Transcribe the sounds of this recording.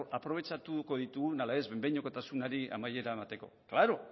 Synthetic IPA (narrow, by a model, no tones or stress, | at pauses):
apɾo̞β̞e̞t͡ʃat̪uko̞ðit̪uɣunalaezβembeɲokot̪asunaɾiʔa̰maje̞ɾaemat̪e̞ko̞̰klaɾo